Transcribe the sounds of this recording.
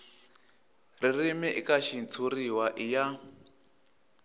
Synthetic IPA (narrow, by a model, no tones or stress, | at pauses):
ririmɛʔḭkaʃint͡sʰuɾiwaʔija